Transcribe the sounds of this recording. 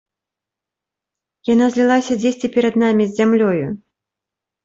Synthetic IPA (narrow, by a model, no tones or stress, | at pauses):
janazʲlʲilˠasʲɐd͡zʲesʲt͡sʲipʲɛɾɐd̪namʲizʲzʲamlʲɔju